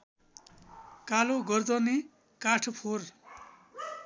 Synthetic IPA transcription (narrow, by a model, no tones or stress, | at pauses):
kaloɡʌrd̪ʌni | kaʈʰpʰor